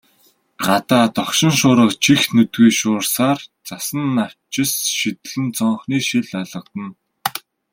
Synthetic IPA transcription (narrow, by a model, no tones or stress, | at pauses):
ɢat̪aːt̪ɔχʃɪ̆nʃʊːɾə̆qt͡ɕʰixnɵt̪wiːʃʊːrsaːrt͡sasə̆nːaw̥t͡ɕɪ̆sʃit̪ɘ̆ɮɘ̆nt͡sɔɴχniːʃiɮaɮə̆q̚t̪ə̆n